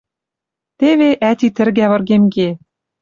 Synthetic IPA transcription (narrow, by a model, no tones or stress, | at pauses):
t̪eβeʔæt̪it̪ɘ̆rɣæβɤ̆rɣemɡe